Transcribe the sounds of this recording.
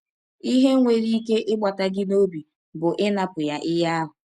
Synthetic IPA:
i˦ɦe˦ŋʷe˨ɾi˦ke˦ʔɪ˦ɡ͡ba˨ta˨ɡɪ˦no˦bi˨ | bʊ˨ʔɪ˦na˨pʊ˨ja˦ʔɪ˦ja˦a˦ɦʊ˨

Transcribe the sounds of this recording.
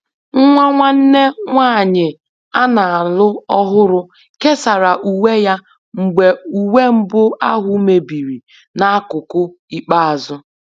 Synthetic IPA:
ŋ̩˦ŋʷa˦ŋʷa˦n̩˦ne˦ŋʷaː˦˨ɲɪ˨ | a˦na˨a˨lʊ˦ɔ˦ɦʊ˦ɾʊ˦ | ke˦sa˨ɾa˨ʔu˨we˦ja˦ | ŋ͡m̩˨ɡ͡be˨u˨we˦m̩˦bʊ˦a˦ɦʊ˦me˨bi˨ɾi˨ | na˦a˦kʊ˨kʊ˦ | i˦k͡pa˦a˨zʊ˦

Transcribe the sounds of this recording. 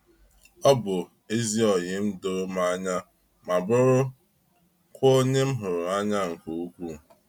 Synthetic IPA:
ɔ˦bʊ˨ | e˦zi˦ɔ˨ɲɪ˨˦m̩˦do˦ma˦a˦ɲa˦ | ma˨bʊ˦ɾʊ˦ | kʷo˦ɲe˦m̩˦ɦʊ˨ɾʊ˨a˦ɲa˦ŋ̩˨ko˨u˦kʷu˦˨

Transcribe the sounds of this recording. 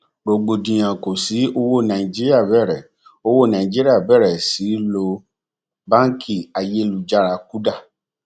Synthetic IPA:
ɡ͡bo˨ɡ͡bo˨dĩ˨j̃ã˨ko˨si˨˦o˧wo˦˨nã˨ĩ˨d͡ʒi˦ɾi˦a˦˨bɛ˦˨ɾɛ˨ | o˧wo˦˨nã˨ĩ˨d͡ʒi˦ɾi˦a˦˨bɛ˦˨ɾɛ˨si˨˦lo˧ | bã˦kʰi˦˨a˨je˦lu˨d͡ʒa˦˨ɾa˧ku˦da˦˨

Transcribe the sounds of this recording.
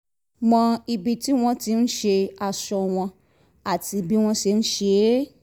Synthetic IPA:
mɔ̃˧i˨bi˧ti˦w̃ɔ̃˦ti˨˧˦n̩˦ʃe˧a˨ʃɔ˧w̃ɔ̃˧ | a˦˨ti˧bi˦w̃ɔ̃˧ʃe˧n̩˦ʃe˧˦

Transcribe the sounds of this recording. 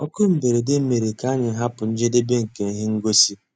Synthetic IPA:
ɔ˦ko˦m̩˨be˨ɾe˨de˦m̩˦me˨ɾe˨ka˦ɲɪ˨˦ɦa˦pʊ˨n̩˦d͡ʒe˦de˦be˦ŋ̩˨ke˨n̩˦ɦɪ˦ŋ̩˦ɡo˦si˦

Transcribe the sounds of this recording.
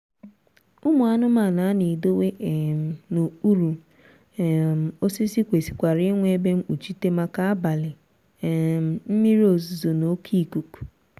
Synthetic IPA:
ʊ˦mu˨a˦nʊ˦ma˨na˨˦ni˨do˦we˦ʔm̩˨no˨u˦ɾu˨ | m̩˨o˦si˦si˦kʷe˨si̥˨kʷa˨ɾɪ˦ŋʷe˦e˦be˦m̩˦u˨t͡ʃi˦te˦ma˦ka˦a˦ba˨lɪ˨ | m̩˨m̩˦mi˦ɾi˦o˨zu˨zo˨no˦kʰi˦˨ku˨ku̥˨

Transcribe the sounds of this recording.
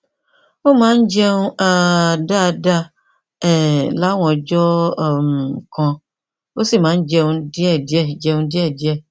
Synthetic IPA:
wo˦mã˦n̩˦d͡ʒɛ˦ŋũ˦a˨da˦˨da˦ | ɛ˨la˦wɔ̃˨d͡ʒɔ˦˨m˨kɔ̃˨ | wo˦si˦˨mã˨˦n˦d͡ʒɛ˦ŋũ˦di˦ɛ˦˨di˨˦ɛ˦˨d͡ʒɛ˨ŋũ˦di˦ɛ˦˨di˦ɛ˦˨

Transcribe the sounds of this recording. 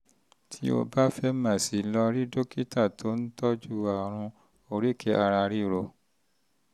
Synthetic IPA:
tʰi˧˦o̰˧ba˦fɛ˧˦mã˦˨si˨lɔ˧ɾi˦do˦ki˦ta˦˨tʰo˨˦n̩˦tɔ˦d͡ʒu˦a˨ɾ̃ũ˧ | o˧ɾi˦˨kʰɛ˧ʔa˧ɾa˧ɾi˦˨ɾo˨

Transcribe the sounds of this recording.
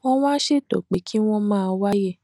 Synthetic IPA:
ɔ̃˦w̃ã˦ʃe˦˨to̰˨k͡pe˨˦kʰi˦w̃ɔ̃˦mãː˦˧wa˦je˦˨

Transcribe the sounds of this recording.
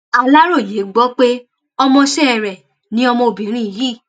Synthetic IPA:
a˧la˦ɾo˦˨je˨˦ɡ͡bɔ˦k͡pe˦ | ɔ˧mɔ̃˧ʃɛ˦˨ɾɛ˨ | nĩ˨˦ɔ˧mɔ̃˧o˨bĩ˨˦ɾ̃ĩ˦i˨jiː˦˨

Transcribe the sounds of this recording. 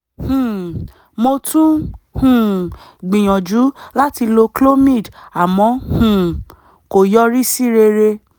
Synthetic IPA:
hũ˨ | mo˧tũ˦hũ˦˨ɡ͡bĩ˨j̃ɔ̃˨d͡ʒu˨˦la˦ti˧lo˧klo˦mĩ˦˨da˨mɔ̃˧hũ˨ | ko˨jɔ˦ɾi˦si˦ɾe˧ɾe˧

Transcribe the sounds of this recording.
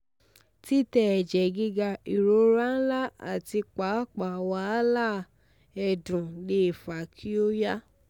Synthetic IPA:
ti˦tɛ˧ɛ˨d͡ʒɛ˨ɡi˦ɡa˧i˨ɾo˨˧˦ɾa˦n̩˦la˦a̰˨ti˧k͡pa˨˦k͡pa˨wa˧˦la˦˨ | ɛ˧˨dũ˨le˨˦˨fa˨kʰi˦o˦ja˦

